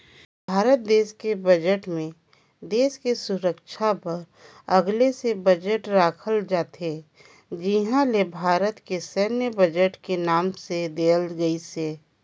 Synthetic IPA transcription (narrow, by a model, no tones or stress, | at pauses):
bʱaːɾət̪̚d̪eːskebəd͡ʒəʈmẽ | d̪eːskesʊɾəkʃʰapɐɾ | ɐɡlesebəd͡ʒəʈɾaːkʰəld͡ʒaːt̪e | d͡ʒɪɦãlebʱaːɾət̪kesɛːnjəbəd͡ʒəʈkenaːmsed̪eːlɡəiseː